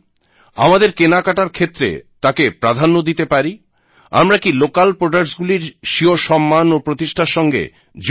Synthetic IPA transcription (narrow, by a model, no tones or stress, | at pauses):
a̰mad̪eɾkenakaʈaɾkʰet̪ːɾḛt̪akepɾad̪ʱanːod̪it̪epaɾi | a̰mɾakilokalpɾoɖak̚ʈsɡuliɾʃioʃɔmːanopɾot̪iʃʈʰaɾʃɔŋɡḛ | d͡ʑ